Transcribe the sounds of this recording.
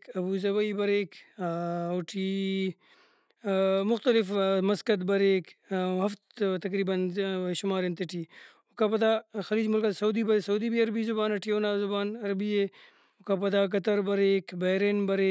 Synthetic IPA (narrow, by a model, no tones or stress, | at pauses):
kʰɐbuːzɐbaibɐɾeːk | oʈʰi | mʊxt̪ɐlɪfmɐskɐd̪bɐɾeːkʰɦɐft̪t̪ɐkɾiːbɐnʃʊmaːɾent̪ɪʈʰiː | ʊkap̬ɐt̪axɐliːd͡ʒmʊlkɐt̪sɐuːd̪ibɐɾesɐuːd̪iːbiːɐɾbizʊbaːnɐʈʰioːnazʊbaːnɐɾbie | ʊkap̬ɐt̪ak̬ɐt̪ɐɾbɐɾeːkbɐɾeːnbɐɾeː